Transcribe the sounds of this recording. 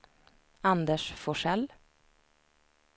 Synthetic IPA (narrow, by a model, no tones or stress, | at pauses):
and̪əʂfɔʂɛl